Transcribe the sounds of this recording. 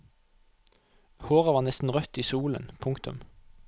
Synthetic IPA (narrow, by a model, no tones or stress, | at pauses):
hoːʁəʋɑːʁnɛst̪n̩ʁœt̪iːsuːlə̰npʰʊŋkt̪ʉ̰m